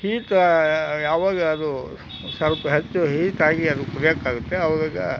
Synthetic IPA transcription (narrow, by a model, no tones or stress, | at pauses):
hiːt̪jaːʋaːɡɐːd̪u | sɐlpɐɦɐt͡ʃːuɦiːt̪aːɡiɐd̪ukuɾjakːaːɡut̪ːeɐʋaːɡaːɡɐ̰